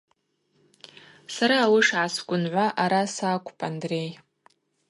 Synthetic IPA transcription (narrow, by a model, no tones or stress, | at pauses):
saɾaːlɨʂʕasɡʷʼʊnʕʷaʔaɾasaːkʷʰʼpʼandrej